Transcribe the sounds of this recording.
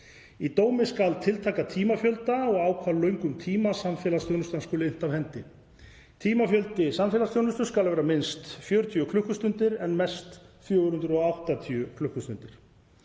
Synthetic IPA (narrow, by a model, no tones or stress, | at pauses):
it̪oːwmɪskalt̪ʰɪlt̪ʰaːkat̪ʰiːmafjœlt̪aɔɣaːwkʰvalœɥŋkʏmt̪ʰiːmasamfɛːlast̪jownʏst̪anskoːlɪɪn̥t̪avhɛnt̪ɪ | t̪ʰiːmafjœlt̪ɪsamfɛːlast̪jownʏst̪ʏ̥skalvɛːɾamɪnst̪fjœːɾʏt̪ʰjʏkʰlʏhkʏst̪ʏnt̪ɪɾɛnmɛ̥st̪θjœːɣʏɾhʏnt̪ɾɔawht̪at̪ʰiʏkʰlʏhkʏst̪ʏnt̪ɪɾ̥